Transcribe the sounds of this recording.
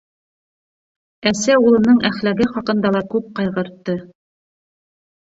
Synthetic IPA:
æsæulˠɤ̆nɤɴʔæχlæɡɘχɑqɤ̆nd̪ɑlˠɑkʉp̚qɑjʁɤ̆ɾt̪ːɤ

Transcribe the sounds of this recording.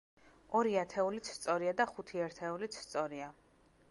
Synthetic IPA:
ɔɾiat̪ʰɛulit̪sʰst̪sʼɔɾiad̪aχut̪ʰiaɾt̪ʰɛulit̪sʰst̪sʼɔɾia

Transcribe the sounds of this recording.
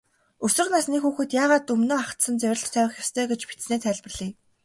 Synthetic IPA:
ɵsɵ̆rnasniːxuːxɘ̆t̪jaːʁaːt̪ɵmnoːaχt̪sə̆nt͡sæwʲrə̆ɬt͡ɕt̪ʰːœwʲɪ̆xʲjast̪ʰœːɡet͡ɕpi̥t̪sneːt̪ʰæːɮʲp̆rɮ̥iː

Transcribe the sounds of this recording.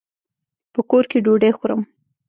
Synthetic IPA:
pəkoɾkeɖoɖexoɾəm

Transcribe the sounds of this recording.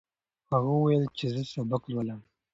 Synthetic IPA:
haɣawwajəlt͡ʃezəsobaklwalam

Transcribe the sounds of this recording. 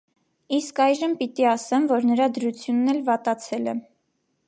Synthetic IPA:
iskɑjʒəmpit̪iɑsɛnvɔɾnəɾɑd̪əɾut͡sʰjunːɛlvɑt̪ɑt͡sʰɛlɛ̰

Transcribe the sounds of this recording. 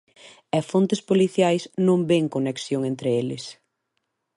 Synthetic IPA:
ɛfont̪ɪspoliθjajsnõmbeŋkoneksjoŋẽnt̪ɾɪelɪs

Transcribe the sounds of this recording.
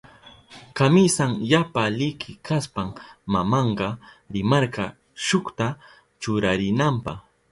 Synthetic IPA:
kamɪsaŋjapalɪkʰɪkʰaspammamɑɴɢɑɾɪmɑɾɢɑ | ʃʊkt̪a | t͡ʃʊɾaɾɪnampɑ̰χ

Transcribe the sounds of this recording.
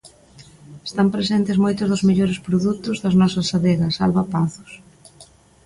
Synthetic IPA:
est̪ampɾesent̪ɪzmojt̪ʊzðʊzmeʎoɾɪspɾoðut̪ʊzðɐznɔsɐsːaðɛɣɐsa̰lβapaθʊ̥s

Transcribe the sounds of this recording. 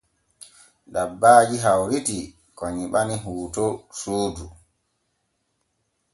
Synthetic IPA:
dabːaːd͡ʒiɦawɾiti | kɔɲiɓaniɦuːtɔsoːdu

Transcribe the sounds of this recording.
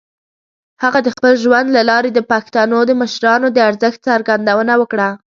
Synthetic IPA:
haɣad̪əxpəlʒwand̪lalɑɾed̪əpɑkst̪ɑnod̪əməʃɾɑnod̪əaɾzəxt̪̚t͡saɾɡand̪awənawəkɽa

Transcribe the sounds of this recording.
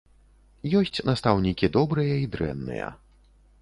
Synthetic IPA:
jɔsʲt͡sʲnɐst̪awnʲikʲid̪ɔbɾɨjɐid̪ɾɛ̰nːɨ̰jɐ̰

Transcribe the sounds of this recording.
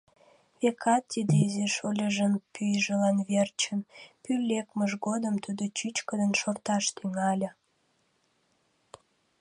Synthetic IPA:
βekʰɑt̪ːid̪eizeʃolʲəʒənpyjʒəlɑnβert͡ɕənpylʲːekməʒɣod̪əmt̪ud̪ot͡ɕyt͡ɕkəd̪ənʃort̪ɑʃt̪yŋɑlʲə̆

